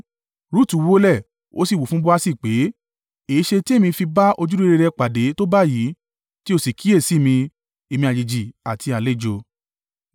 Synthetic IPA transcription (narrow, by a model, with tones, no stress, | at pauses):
ɾu˦˨tu˨˦wo˧˦lɛ˦˨ | o̰˦si˦˨wo˨fũ˦bo˦a˧si˦˨k͡pe˨˦ | e˨i˦ʃe˧ti˦e˦˨mĩ˧fi˧ba˦ʔo˧d͡ʒu˦ɾe˧ɾe˧ɾɛ˧k͡pa˨de˨˦to˦ba˦jiː˨˦ | ti˦o˧˨si˨kʰi˨˦e˦˨si˨˦˨mĩ˧ | e˧˨mĩ˧a˨d͡ʒi˨d͡ʒi˨a˨tʰi˧a˨le˦˨d͡ʒo˧